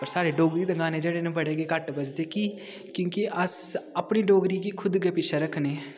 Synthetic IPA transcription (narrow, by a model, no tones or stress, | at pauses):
pəɾsaːɾeːɖoːɡɾiːd̪əŋɡaːneːd͡ʒeːɽeːnẽːbəɽeːɡeːkəʈbəd͡ʒd̪eːkiː | kjõːkeʔəsəpniːɖoːɡɾiːkiːkʰʊd̪ɡeːpɪʃʰeɾəkʰneː